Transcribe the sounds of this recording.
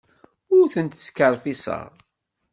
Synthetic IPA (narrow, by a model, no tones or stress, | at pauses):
ʊɾθənt̪skəɾˤfisə̰ʁ